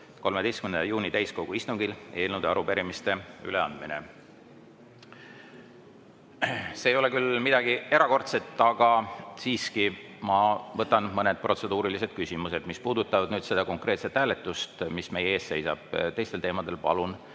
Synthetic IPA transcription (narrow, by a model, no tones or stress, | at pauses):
ko̞lmed̪e̞jstkymnd̪ɑjuːnit̪æjsko̞ɡ̥uist̪uŋɡ̥ile̞ːlnud̪̥eɑɾupeɾimist̪e̞y̰le̞ɑ̰nd̪̥minḛ | se̞ːjo̞le̞kylmid̪̥ɑɡ̥ie̞ɾɑko̞rt̪se̞t̪ːˑɑɡ̥ɑsiːskimɑvɤt̪ːˑɑnmɤne̞d̪̥̚prʔo̞t̪se̞d̪uːɾilise̞d̪̥kysimuse̞d̪̥mispuːd̪ut̪ːˑɑvɑd̪̥nyːd̪̥se̞d̪ɑko̞ŋkˑreːt̪se̞t̪ːhæːlet̪ːˑust̪misme̞jeeːsse̞jsɑ̰b̥t̪e̞jst̪elt̪eːmɑd̪e̞lpɑ̰lun